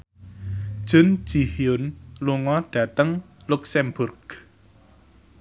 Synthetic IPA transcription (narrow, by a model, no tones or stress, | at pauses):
d̥ʒ̥ʊ̤n̥d͡ʒ̥ihiʊnluŋɔɖ̥ä̤t̪əŋ | luksɛmbʊrɡ̥